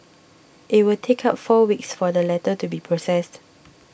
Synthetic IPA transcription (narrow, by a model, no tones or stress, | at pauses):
ʔɪt̚wɪltʰekʰapfɔwiksfɔdəlɛtətubipʰɹosɛst